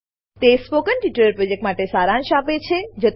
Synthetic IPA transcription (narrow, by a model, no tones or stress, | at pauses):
t̪espokənʈiʈəɾəɾpɾod͡ʒek̚ʈmaʈesaɾãnʃapet͡ʃʰed͡ʒət̪